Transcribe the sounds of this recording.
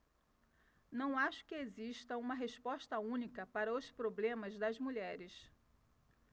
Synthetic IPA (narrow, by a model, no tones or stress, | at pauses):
nɐ̃w̃aʃʊ̥kɪeziʃt̪ɐũmɐɦeʃpɔʃt̪ɐũnikɐpaɾɐʊspɾoblẽmɐzd̪ɐzmuʎɛɾɪs